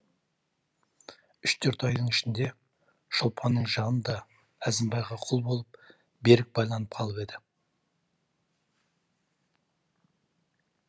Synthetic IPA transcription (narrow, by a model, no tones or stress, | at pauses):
ʏʃt̪ʰɵɾt̪ɑjd̪əɴɪʃɪnd̪e̞ | ʃolˠpʰɑnːəɴʒɑnənd̪ɑ | æzɪmbɑjʁɑqʰʊlˠbo̞lˠəp̚ | be̞ɾɪk̚bɑjlˠɑnəp̚qʰɑlˠəpe̞d̪ɪ